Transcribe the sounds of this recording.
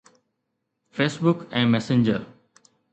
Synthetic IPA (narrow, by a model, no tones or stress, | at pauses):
feːsbʊkɛ̃ːmɛːsɪ̃ɲd͡ʒəɾ